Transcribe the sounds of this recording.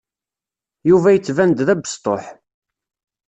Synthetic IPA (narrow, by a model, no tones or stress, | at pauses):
juvæjət͡sːvænd̪ðæbə̥st̪ˤo̰ħ